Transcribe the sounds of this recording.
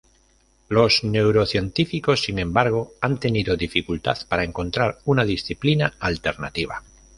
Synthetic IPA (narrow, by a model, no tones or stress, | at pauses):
lo̞zne̞wɾo̞θje̞nt̪ifiko̞sːinẽ̞mbaɾɣ̞o̞ant̪e̞niðoðifikult̪a̰ðpaɾae̞ŋko̞nt̪ɾaɾunaðisθiplinaalt̪e̞ɾna̰t̪iβ̞a